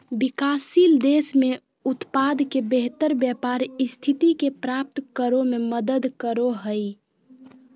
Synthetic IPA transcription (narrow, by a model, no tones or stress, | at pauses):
bikaːsild̪esme | ut̪pad̪kebeɦt̪əɾbjəpaɾɪst̪ʰit̪ikepɾap̚t̪kəɾomeməd̪əd̪kəɾoɦəɪ